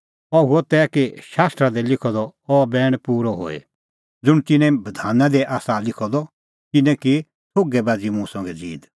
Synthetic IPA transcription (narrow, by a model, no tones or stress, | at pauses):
ɔuɔt̪ɛːkeʃaːst̪ɾad̪ɛlɪkʰɔd̪ɔɔːbɛːɽ̃puːɾɔɦo̰ːḛ | d͡zʊɽ̃t̪ɪnɛ̃bɐd̪ʱaːnãd̪ɛʔaːsalɪkʰɔd̪ɔ | t̪ɪnɛ̃ki | sʰoːɡɛbaːd͡zimũsɔ̃ːŋɡɛd͡zḭːd̪